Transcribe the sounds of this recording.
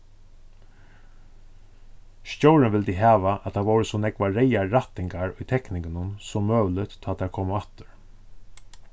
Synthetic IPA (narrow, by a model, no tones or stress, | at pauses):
ʃcowɾɪnʋɪld̪iɦæːʋaʔæt̪ʰaʋowɾəsɔnɛkʋaɾɛjaɹat̪ɪŋkaɹʊjt̪ʰɛknɪŋɡɪnʊnsɔmːøːʋlɪt̪t̪ʰːɑːt̪aɾkʰoːmat̪ʏ̥ɹ